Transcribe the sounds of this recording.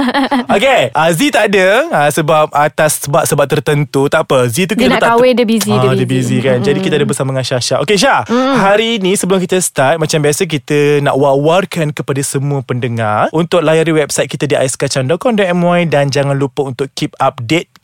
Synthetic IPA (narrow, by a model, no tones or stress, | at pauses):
okeʔazit̪aʔadəasəbap̚at̪asəbat̪̚səbat̪̚ːərt̪ənt̪ut̪apəzit̪̬ukkit̪əat̪aawedəbizidəbizikand͡ʒadikit̪adəbəsamaŋaʃaʃaʔokeʃahaɾinisəbəlʊmk̬it̪əst̪at̪̚mat͡ʃambiasək̬it̪əna̰ʔwawarkankəpadasəmũəpəndəŋarʔunt̪ʊk̚lajaɾiwɛp̚sajt̪̚kit̪adiʔajskat͡ʃandɔkɔndɔʔɛmwajdand͡ʒaŋãnlupəunt̪ʊʔkip̚ap̚det̪̚